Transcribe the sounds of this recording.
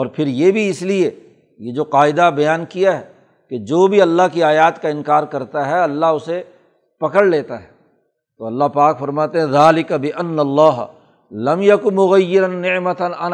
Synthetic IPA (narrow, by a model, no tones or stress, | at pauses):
ɔːɾpʰɪɾjebʱiɪslie | jed͡ʒoːqaːɪd̪abɐjaːnkijaɦɛː | ked͡ʒoːbʱiɐlːaɦkiaːjaːt̪kaɪ̃nkaːɾkɐɾt̪aɦɛɐlːaɦʊse | pɐkəɽleːt̪aɦɛː | t̪oɐlːaɦpaːkfɐɾmaːt̪eɦɛ̃ðaːlɪkɐbɪʔɐnːɐlːaːɦ | lɐmjɐkʊnmʊɣɐjːɪɾɐnːɪʕmɐt̪ɐnɐn